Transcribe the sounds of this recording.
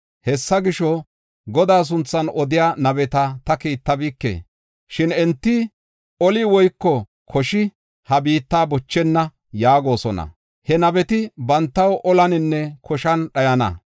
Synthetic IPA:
hɛsːɐɡɪʃɔ | ɡɔd̪aːs̬ʊnt͡sːɐnɔd̪ɪjaːnɐbɛt̪ɐt̪ɐkiːt̪ːɐbiːkːḛː | ʃɪnɛnt̪ːɪ | ɔlɪwɔjkːɔ | kʰɔʃɪ | hɐbiːt̪ːaːbɔt͡ʃːɛnːɐ | jaːɡo̞ːsɔnɐ̰ | hɛnɐbɛt̪ɪbɐnt̪ːɐwʔɔlɐnɪnːɛkʰɔʃɐnɗɐjɐnɐ̰

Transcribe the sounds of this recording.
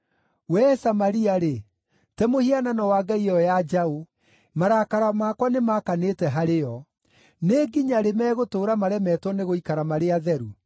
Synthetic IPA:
wɛsamaɾiaɾe | tɛmohiananɔwaːɡaiɔjad͡ʒao | maɾakaɾamakwanemakanetɛɦaɾejɔ | neɡiɲaɾemɛːɣotoːɾamaɾɛmɛtwɔneɣoikaɾamaɾeaðɛɾu

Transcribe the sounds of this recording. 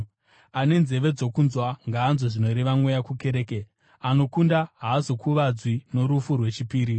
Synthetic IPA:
ane̞nze̞ʋe̞d͡zo̞kunzwaŋɡaːnzo̞ʐino̞ɾeʋamwujakuke̞ɾeːke | ano̞kundaɦaːzokʰuʋad͡zwino̞ɾufurwe̞t͡ʃipiːɾi

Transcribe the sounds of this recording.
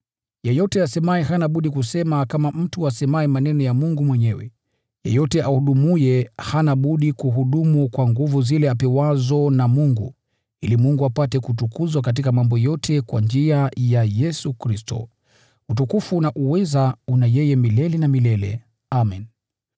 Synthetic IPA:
jɛjɔtɛasɛmaɛɦanaɓuɗikusɛmakamam̩tuasɛmaɛmanɛnɔjamuŋɡumwɛɲɛwɛ̰ | jɛ̰jɔtɛʔahuɗumujɛhanaɓuɗikuɦuɗumukwaŋɡuvuzilɛapɛwazɔnamuŋɡu | ilimuŋɡuapatɛkut̬ukuzwak̬at̬ikamambɔjɔtʰɛkwa̰nd͡ʒiajajɛsukɾistɔ̰ | utukufunaʔuwɛzaunajɛjɛmilɛlɛnamilɛlɛ̰ | amɛn

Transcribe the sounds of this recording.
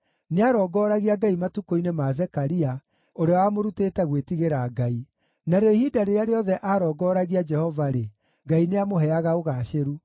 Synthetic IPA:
neaɾɔːɡɔːɾaɣiaɡaimatukoinemazɛkaɾia | oɾeawamoɾuteːtɛɣwetiɣeɾaːɡai | naɾeɔihidaɾeeaɾeɔðɛʔaɾɔːɡɔɾaɣiad͡ʒɛhɔvaɾe | ɡaineamoɦɛaɣaoɣaːʃeɾu

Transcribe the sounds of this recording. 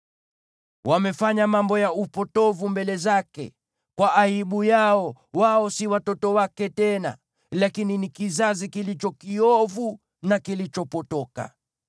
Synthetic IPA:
wamɛfaɲamambɔjaupɔtɔvumbɛlɛzakɛ̰ | kwaʔaiɓujaɔwaɔsiwatɔtɔwakɛtɛna̰ | lakininikizazikilit͡ʃɔkiɔvu | nakilit͡ʃɔpɔtɔka̰

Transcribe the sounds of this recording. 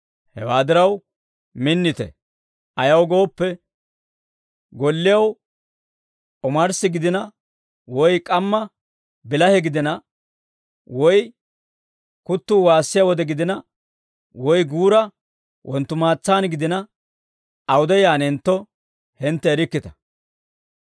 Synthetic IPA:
hɛ̰waːd̪ɪɾɐw | mɪnːɪt̪ɛ̰ | ʔɐjɐwɡo̞ːpːɛ | ɡɔlːɪjɐw | ʔɔmɐɾsɪɡɪd̪ɪnɐ | wɔjkʼɐmːɐ | bɪlɐhɛɡɪd̪ɪnɐ | wɔj | kʊt̪ːʊːwaːsːɪjawɔd̪ɛɡɪd̪ɪnɐ | wɔjɡuːɾɐ | wʔɔnt̪ːʊmaːt͡sːaːnɡɪd̪ɪnɐ | ɐwʊd̪ɛjaːnɛnt̪ːɔ | hɛnt̪ːɛːɾɪkːɪt̪ɐ̥

